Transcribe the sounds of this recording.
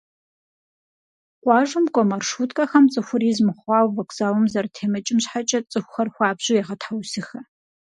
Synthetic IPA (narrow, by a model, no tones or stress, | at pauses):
qʷʼɑːʒʷʊmkʷʼɔmɐrʂuːtʼkʼɐxɐmt͡sʼɨxʷʊɾiːzmɨχʷɑːwvɐkʷʰʼz̥aːwɐmzɐrtʰeːmɨt͡ʃʼɪmɕħat͡ʃʼɐt͡sʼɨxʷxɐrxʷɑːbʑujaʁɐtħawsɨxɐ